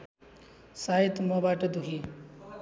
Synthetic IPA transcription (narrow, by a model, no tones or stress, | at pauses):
saɦit̪mʌbaʈʌd̪uɦi